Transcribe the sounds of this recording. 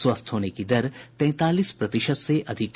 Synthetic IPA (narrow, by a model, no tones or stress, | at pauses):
swəst̪ʰɦoːnekid̪ɐɾp̪ɛ̃ːt̪aːliːspɾɐt̪ɪʃət̪seʔɐd̪ʱɪk